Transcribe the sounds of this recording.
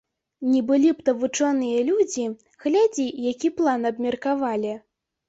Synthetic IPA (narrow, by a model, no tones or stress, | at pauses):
nʲɛbɨlʲipt̪ɐvut͡ʂɔnɨjɐlʲud͡zʲi | ɣlʲad͡zʲijakʲiplˠanɐbmʲɐrkavalʲi